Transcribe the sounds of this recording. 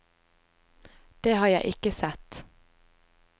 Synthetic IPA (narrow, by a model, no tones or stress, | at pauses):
d̪̥eːhɑːɾjæɪʔɪkəsɛt̪